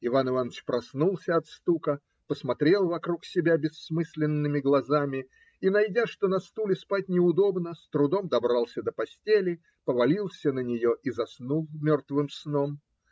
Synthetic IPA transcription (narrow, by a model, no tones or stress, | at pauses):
ɪvanɨvanːət͡ɕpɾɐsnulˠsʲəɐt̪st̪ukə | pəsmɐt̪ɾʲe̞lˠvɐkɾuksʲɪbʲabʲɪsːmɨsʲlʲɪnːɨmʲɪɡlˠɐzamʲɪ | inɐjdʲaʂt̪onɐst̪ulʲɪspat̚ʲnʲɪʊd̪o̞bnəst̪ɾʊd̪o̞md̪ɐbɾalˠsʲəd̪əpɐsʲtʲelʲɪ | pəvɐlʲilˠsʲənənʲɪjo̞ʔizɐsnulˠmʲo̞rt̪vɨmsno̞m